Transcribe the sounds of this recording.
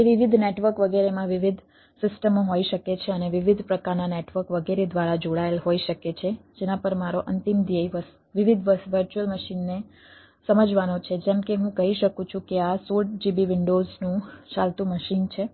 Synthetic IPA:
eʋɪʋid̪ʱneʈʋəɾkʋəɡeɾemãʋɪʋid̪ʱ | sɪsʈəmoɦoiʃəket͡ʃʰeəneʋɪʋid̪ʱpɾəkaɾnaneʈʋəɾkʋəɡeɾed̪ʋaɾad͡ʒoɽaelɦoiʃəket͡ʃʰed͡ʒenãpəɾmaɾoʔənt̪imd̪jeiʋəs | ʋɪʋid̪ʱʋəʋəɾt͡ʃuəlməʃinːe | səməd͡ʒʋanot͡ʃʰed͡ʒɛ̃mkeɦũkəɦiʃəkũt͡ʃʰũkeasoʈd͡ʒibiʋɪɳɖoznũt͡ʃalt̪ũməʃint͡ʃʰe

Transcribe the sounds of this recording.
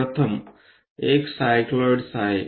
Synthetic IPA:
ət̪ʰəm | eksajkləɖsaj

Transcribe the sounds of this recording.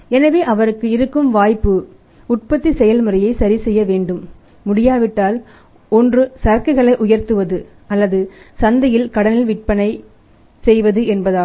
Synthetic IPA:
ɛnɐʋeːʔɐʋɐɾɯkːɯɪɾɯkːɯmʋaːjpːɯ | ʊʈ̚pɐt̪ːisɛjɐlmɯrɐjɐɪsɐɾisɛjːɐʋeːɳɖɯmː | ʊɽɪjaːʋɪʈːaːl | ɔndrɯsɐɾkɪɣɐɭɐɪʔʊjɐɾt̪ɯʋɐðɯ | ɐlːɐðɯsɐnd̪ɐjɪlkɐɽɐnɪlʋɪʈ̚pɐnɐɪ | sɛjʋɐðɯʔɛnbɐðaː

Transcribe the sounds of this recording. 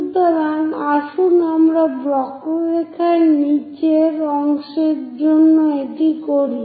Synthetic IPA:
d̪ɔɾanaʃunamɾabɾɔkoɾekʰaɾnit͡ɕeɾɔŋʃeɾd͡ʑonːoeʈikoɾi

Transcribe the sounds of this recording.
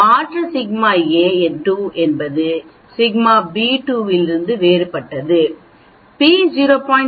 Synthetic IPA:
aːʈɾɐsɪɡmaːeːɛnʈuːʔɛnbɐðɯ | sɪɡmaːbiːʈuːʋɪlɪɾɯnd̪ɯʋeːɾɯpɐʈːɐðɯ | piːd͡ʒiːɾoːpɔːɪ

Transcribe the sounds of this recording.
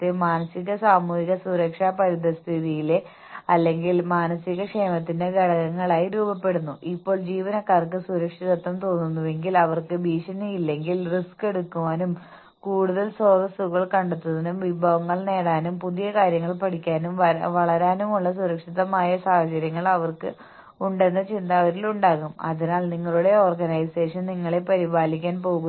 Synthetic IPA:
t̪ːɨmaːnɐsiɣɐsaːmuːhiɣɐsuɾɐkʂaːpɐɾiðɐst̪ʰiðijile | ɐlːe̞ŋɡilmaːnɐsiɣɐkʂeːmɐt̪ːinde̞ɡɐɽɐɣɐŋːɐɭaːjiɾuːbɐpːe̞ɽunːuʔipːo̞ːɭd͡ʑiːʋɐnɐkːaːrk̬ɨsuɾɐkʂiðɐt̪ːɐmt̪o̞ːnːunːuʋe̞ŋɡilɐʋɐrkɨbiːʂɐnejilːe̞ŋɡilriske̞ɽukːuʋaːnum | kuːɽuðɐlsoːðɐsuɣɐɭkɐɳɖet̪ːuðɐnumʋibʱɐʋɐŋːɐɭne̞ːɽaːnumpuðijɐkaːɾjɐŋːɐɭpɐɽikʲːaːnumʋɐʋɐɭɐɾaːnumuɭːɐs̬uɾɐkʂiðɐmaːjɐsaːhɐt͡ɕɐɾjɐŋːɐɭɐʋɐrkɨ̰ | uɳɖe̞nːɐt͡ɕind̪aːʋɐɾiluɳɖaːɣumɐ̰ðinaːlniŋːɐɭuɽe̞o̞ːrɡɐnɐjse̞ːʂɐnniŋːɐɭe̞pɐɾibaːlikʲːaːnpo̞ːɣu

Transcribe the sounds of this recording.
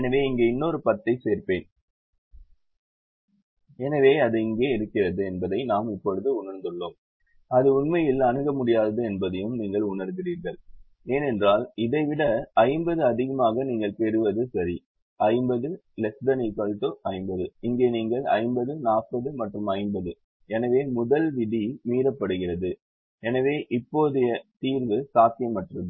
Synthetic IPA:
ɛnɐʋeːɪŋɡeːɪnːoːɾɯpɐt̪ːɐɪseːɾpeːn | ɛnɐʋeːɐðɯɪŋɡeːɪɾɯkːɪrɐðɯɛnbɐðɐɪnaːmɪpːɔɻɯðɯʊɳɐɾnd̪ɯɭːoːm | ɐðɯʊɳmɐjɪlɐnɯɣɐmʊɽɪjaːðɐðɯɛnbɐðɐjɯmniːŋɡɐɭʊɳɐɾɣɪriːɾɣɐɭ | eːnɛndraːlɪðɐɪʋɪɽɐɐɪmbɐðɯɐðɪɣɐmaːɣɐniːŋɡɐɭpɛɾɯʋɐðɯsɐɾi | ʔɐɪmbɐðɯ | lɛsd̪ɐnisɐlʈoʔɐɪmbɐðɯɪŋɡeːniːŋɡɐɭɐ̰ɪmbɐðɯnaːʈ̚pːɐðɯmɐʈrɯmɐɪmbɐðɯ | ɛnɐʋeːmʊðɐlʋɪðimiːɾɐpːɐɽɯɣɪrɐðɯ | ɛnɐʋeːʔɪpːoːðɯjɐt̪iːɾʋɯsaːt̪ɪjɐmːɐʈrɐðɯ

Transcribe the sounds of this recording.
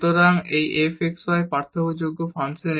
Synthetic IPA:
t̪oɾaŋejʔefʰeksaepaɾt̪ʰoɦud͡ʑoɡːofansen

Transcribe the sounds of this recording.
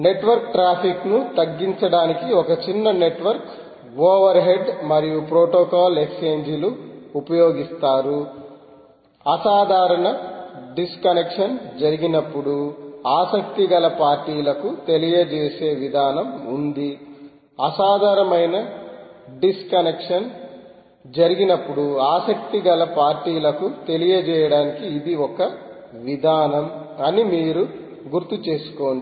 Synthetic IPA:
ne̞ʈʋɐɾk̚ʈɾaːpʰiknut̪ɐɡːiɲt͡ʃɐɽaːnikiɔkɐt͡ʃinːɐne̞ʈʋɐɾk | ɡoːʋɐɾɦe̞ɖmɐɾijupɾoːʈoːkaːlekseːɲd͡ʒuluupɐjoːɡist̪aːɾu | ɐsaːd̪ʱaːɾɐɳɐɖiskɐnekʂɐnd͡ʒɐɾiɡinɐpːuɽuaːsɐk̚t̪iɡɐlɐpaːɾʈiːlɐkut̪e̞lijɐd͡ʒeːse̞ːʋid̪ʱaːnɐmund̪i | ɐsaːd̪ʱaːɾɐmɐjnɐ | ɖiskɐnekʂɐn | d͡ʒɐɾiɡinɐpːuɽuaːsɐk̚t̪iɡɐlɐpaːɾʈiːlɐkut̪e̞lijɐd͡ʒɛːjɐɽaːnikiːd̪iɔkɐ | ʋid̪ʱaːnɐm | ɐnimiːɾu | ɡuɾt̪ːut͡ʃe̞ːsu̥koːɳi

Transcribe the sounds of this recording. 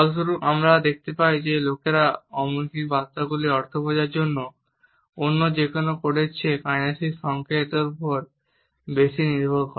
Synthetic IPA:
ɔlsuɾukamɾad̪ek̚ʰt̪epajd͡ʑelokeɾaɔmunkibast̪aɡuliɔɾt̪ʰobod͡ʑaɾd͡ʑonːo | onːod͡ʑekonokoɽet͡ɕʰekajnaʃiʃɔŋkʰet̪eɾpɔɾ | beʃiniɾbʱolkɔ

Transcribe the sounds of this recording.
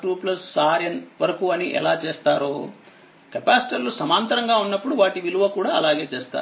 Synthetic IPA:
ʈuːplɐsːaːɾjɐnʋɐɾɐkuɐniʔɛ̰laːt͡ʃeːst̪aːɾu | kɐpaːsi̥ʈɐɾlusɐmaːnt̪ɐɾɐŋɡaːunːɐpːuɽuʋaːʈiʋiluʋɐkuːɽaːɐlaːɡe̞ːt͡ʃeːst̪a̰ːɾu

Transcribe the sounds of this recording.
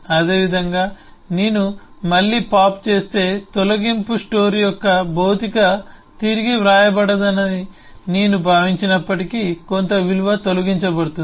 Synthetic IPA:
ɐd̪e̞ːʋid̪ʱɐŋɡaː | neːnumɐɭːiːpaːpt͡ʃe̞ːst̪e̞ːt̪olɐɡimpusʈo̞ːɾjɔkːɐbʱɐwt̪ikɐt̪iɾiɡiʋɾaːjɐbɐɽɐd̪ɐnːɐd̪i | neːnubʱaːʋiɲt͡ʃinɐpːɐʈikikont̪ɐʋiluʋɐt̪olɐɡiɲt͡ʃɐbɐɽut̪un

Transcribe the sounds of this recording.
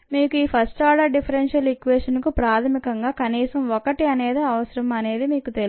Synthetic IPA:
miːkuiːpʰɐsʈaːɖɐɾɖipʰɐɾenʂɐlikʋeːʂɐnkupɾaːt̪ʰɐmikɐŋɡaːkɐniːsɐmɔkɐʈiɐne̞ːd̪iɐʋɐsɐɾɐmɐne̞ːd̪imiːkut̪el

